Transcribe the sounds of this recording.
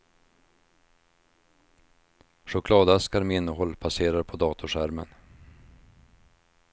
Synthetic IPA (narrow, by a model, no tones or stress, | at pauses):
ʂʊkʰlɑːd̪askaɾmɛɪnːəɦɔlːpʰaseːɾaɾpʰɔd̪ɑːt̪ʰʊʂæɾmə̰n